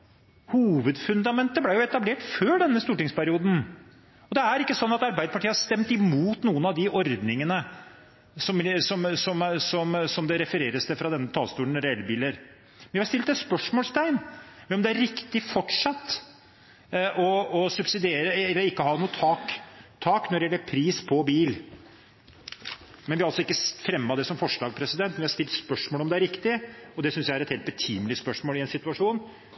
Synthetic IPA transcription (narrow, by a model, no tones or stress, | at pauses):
huːʋəd̪fʉnd̪ɑmɛnt̪əblæjʊɛt̪ɑbleːʈføːɖɛnːəst̪uːʈɪŋspʰæɾɪuːd̪n̩ | ɔd̪ɛæɾɪkːəsɔnːɑt̪ɑɾbæɪd̪əpʰɑʈʰiːəɑhɑɾʂt̪ɛmt̪ɪmuːt̪nuːənɑʋd̪ɪʔɔɾd̪nɪŋənə | sɔmsɔmsɔmsɔmsɔmd̪ɛɾɛfəɾeːɾəst̪əfɾɑd̪ɛnːət̪ʰɑːlst̪uːəɳ̩ɾɛɛlːbiːləɾ | mɛnɪhɑɾst̪ɪlt̪ɛt̪spœʂmoːlst̪ʰæɪnɔmd̪ɛæɾɾɪkt̪ɪfɔʈʂɑt̪ː | ʔɔɔsʉpsɪd̪eːɾəɛlːəɾɪkːəɦɑːnuːt̪ʰɑkt̪ʰɑːknɔɾɖɪɛlːəɾpʰɾiːspʰɔbiːl | mɛnʋɪɑɑlsɔɪkːəfɾɛmːɑd̪ɛsɔmfɔʂlɑːɡpʰɾɛsɪd̪ɛnt̪mɛʋɪhɑɾst̪ɪlt̪spœʂmoːlɔmd̪ɛæɾɪkt̪ɪɔd̪ɛsʏnsjæɪæɾɛt̪heːlt̪bət̪ʰiːmlɪspœʂmoːlɪɛnsɪt̪ʉɑʂuːn